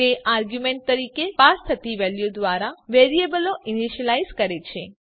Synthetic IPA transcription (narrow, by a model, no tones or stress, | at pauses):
eʔaɾɡjumẽɳʈ̚t̪əɾikepast̪ʰət̪iʋɛljod̪ʋaɾaʋeɾiebəloʔiniʃəlaizkəɾet͡ʃʰe